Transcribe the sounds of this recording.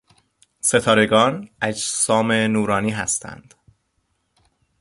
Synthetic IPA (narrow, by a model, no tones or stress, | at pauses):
se̞t̪ʰɒːɾe̞ɡɒːnʔæd͡ʒsɒːme̞nuːɾɒːniːɦæst̪ʰæ̰nd̪̥